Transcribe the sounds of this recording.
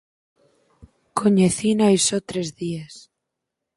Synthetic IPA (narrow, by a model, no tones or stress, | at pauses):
kʰoɲeθinajsot̪ɾezðies